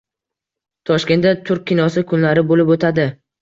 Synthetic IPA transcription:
t̪ʰɒʃkʲe̞nt̪d̪at̪ʰʊɾk̚ʲʰːɪnɒsɪkʰʊnlaɾɪbolɪpot̪ʰad̪ɪ

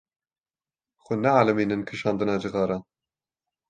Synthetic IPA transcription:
xʷʊnɛʕaːlɨmiːnɨnkʰɨʃɑːnd̪ɨnɑːd͡ʒɨɣɑːɾɑːn

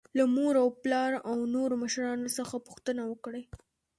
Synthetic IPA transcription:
lamoɾawplɑɾawnoɾoməʃɾɑnosəxapʊ̥xt̪ənawəkɽaj

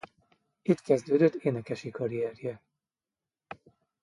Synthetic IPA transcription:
it̪kɛzd̪øːd̪øt̪ːeːnɛkɛʃikɒɾiɛrjɛ

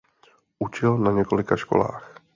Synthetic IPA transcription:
ʔut͡ʃɪlnaɲɛko̞lɪkaʃko̞̰la̰ːx

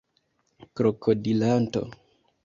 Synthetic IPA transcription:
kɾokʰodilanto̰

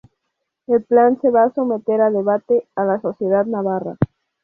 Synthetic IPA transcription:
elplanse̞βaːsomet̪eɾaðe̞β̞at̪ealaso̞θje̞ð̞aðnaβ̞ara̰

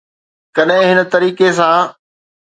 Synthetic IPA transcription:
kɐɗɦɪ̃ɦɪnə̆t̪ɐɾiːkes̬ãː

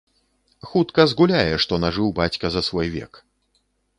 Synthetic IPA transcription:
xut̪kɐzɣulʲajɛʂt̪ɔnaʐɨwbat͡sʲkɐzɐsvɔjvʲɛ̰k

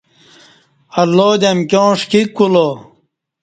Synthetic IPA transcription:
ɐlːod̪ɐmkʲjõːʂkikːulo

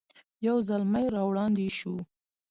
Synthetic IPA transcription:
jawzalmajɾɑwɽɑnd̪eʃu

